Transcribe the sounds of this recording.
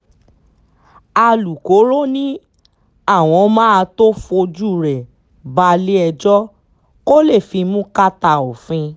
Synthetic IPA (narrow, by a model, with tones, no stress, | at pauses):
a˧lu˨ko˨˦ɾo˦nĩ˦ | a˦˨w̃ɔ̃˧mãː˦a˧to˦fo˧d͡ʒu˦˨ɾɛ˨ | ba˧le˦ɛ˧d͡ʒɔ˦ | ko˦le˦˨fi˧mũ˦ka˦ta˧o˨fĩ˧